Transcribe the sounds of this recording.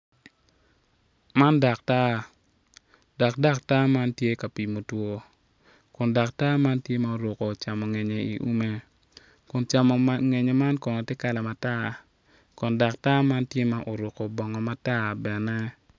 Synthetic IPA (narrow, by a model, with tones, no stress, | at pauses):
ma˦nda˨k̚ta˦ | da˨kda˦k̚ta˦ma˦ntje˦ka˨pi˨mo˨two˦ | kʊ˨nda˨kta˦ma˦ntje˦ma˨o˨ɾo˨ko˨t͡ʃa˨mɔ˨ŋɛ˨ɲe˨ḭ˨ʔu˦me˦ | kʊ˨nt͡ʃa˨mɔ˨ŋɛ˨ɲe˨ma˦nkɔ˨nɔ˨tɪ˦ka˦lɛ˨ma˨ta˦ | kʊ˨nda˨k̚ta˦ma˦ntje˦ma˦ʔo˨ɾo˨ko˨bɔ˨ŋɔ˨ma˨ta˦bɛ˨nɛ˦